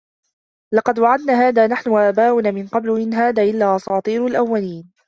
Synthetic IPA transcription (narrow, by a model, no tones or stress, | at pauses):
lɑqɑd̪waʕad̪naːɦaːðaːnaħnʊʔaːbaːwʊnamɪnqɑblʊmɪnɦaːðaːʔɪlːaːʔɑsˤɑːt̪ˤiːɾʊlʔawːaliːn